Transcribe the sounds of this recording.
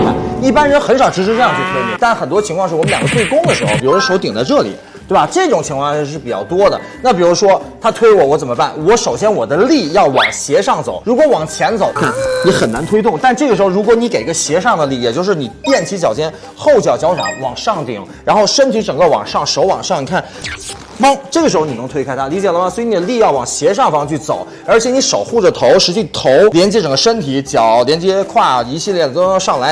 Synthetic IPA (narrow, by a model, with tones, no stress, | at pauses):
a˧˩i˥˩pa˥nɻə˧˥nxə˧˥nʂɑ˨˩ʊʈ͡ʂɻ̩˧˥ʂ̬ɻ̩˧˥ʈ͡ʂɤ˥˧jɑ˥˧ŋt͡ɕjo˥˧ɤ˥˩ḭ˨˩˦t̪a˥˩nxə˨˩nt̪wɔ˥t͡ɕʰi˧˥ŋkwɑ˥˧ŋʂɻ̩˥˩˨ljɑ˨˩ŋɡə˧˥t̪we˥˩ɪkʊ˥ŋd̪ə˨ʂɻ̩˧˥xo˥ʊpi˨˩u˧˥ʂwɔ˥ʂo˧˥ʊt̪i˨˩ŋt͡sa˥˧ʈ͡ʂɤ˥˩lḭ˨˩˦ | t̪we˥˩ba˩ʈ͡ʂɤ˥˩i˥˩ʈ͡ʂʊ˨˩ŋt͡ɕʰi˧˥ŋkʰwɑ˥˧ŋ˥˧ʂ̬ɻ̩˥˩pi˨˩t͡ɕjɑ˥˩ʊt̪wɔ˥d̪ə̰˨ | na˥˩pi˨˩ɻu˧˥ʂwɔ˥t̪ʰa˥t̪ʰwe˥ɪwɔ˨˩wɔ˧˥t͡sə˨˩nmə˦pa˥˩nwɔ˧˥ʂo˨˩ʊɕjɛ˥nwɔ˨˩d̪ə˦li˥˧jɑ˥˩ʊwɑ˨˩ŋɕjɛ˧˥ʂɑ˥˩ŋt͡so̰˨˩˦ʊɻu˧˥kwɔ˧˥wɑ˨˩ŋt͡ɕʰjɛ˧˥nt͡so˨˧˦ʊkʰni˧˥xə˨˩na˧˥nt̪ʰwe˥ɪt̪ʊ˥˩ŋt̪a˥˧nʈ͡ʂɤ˥˩ɡə˩ʂɻ̩˧˥xo˥˧ʊɻu˧˥kwɔ˧˥ni˧˥ke˨˩ɪi˧˥ɡə˧ɕjɛ˧˥ʂɑ˥˩ŋd̪ə˩li˥˩jɛ˨˩t͡ɕjo˥˧ʊʂɻ̩˥˩ni˨˩t̪jɛ˥˩nt͡ɕʰi˧˥t͡ɕjɑ˨˩ʊt͡ɕjɛ˥n | xo˥˩ʊt͡ɕjɑ˨˩ʊt͡ɕjʊɑ̰˨˧˥wɑ˨˩ŋʂɑ˥˩ŋt̪ḭ˨˩˦ŋ | ɻa˧˥nxo˥˩ʊʂə˥nt̪ʰi˧˥ʈ͡ʂɤ˨˩ŋɡə˧wɑ̰˨˩ŋʂɑ˥˩ŋʂo˧˥ʊwɑ̰˨˩ŋʂɑ˥˩ŋni˨˩kʰa˥˩n | mɤ˥ŋʈ͡ʂɤ˥˩ɡə˩ʂɻ̩˧˥xo˧ni˨˩nɤ˧˥t̪ʰwe˥a˥t̪ʰa˥li˧˥t͡ɕjɛ˨˩lə˧mɐ˧˩swɔ˧˥i˧˥ni˨˩d̪ə˦li˥˧jɑ˥˩ʊwɑ˨˩ŋɕjɛ˧˥ʂɑ˥˩ŋfɑ˥˧ŋt͡ɕʰy˥˩t͡so˨˩˦ʊ | ə˞˧˥t͡ɕʰjɛ˧˥ni˧˥ʂo˨˩ʊxu˥˩ʈ͡ʂə˨˩t̪ʰo˧˥ʊʂɻ̩˧˥t͡ɕi˥˩t̪ʰo˧˥ʊljɛ˧˥nt͡ɕjɛ˧˥˩ʈ͡ʂɤ˨˩ŋɡə˦ʂə˥nt̪ʰi˨˧˥t͡ɕjɑ˨˩˦ʊljɛ˧˥nt͡ɕjɛ˥kʰwa˥˩i˧˥ɕi˥˧ljɛ˥˩˨t̪o˥˧ʂɑ˥˩ŋla˧˥ɪ